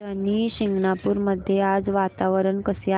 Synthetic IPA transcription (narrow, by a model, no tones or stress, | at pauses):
əniɕiŋɡnapuːɾməd̪ʱjead͡zʋat̪aʋəɾəɳkəsja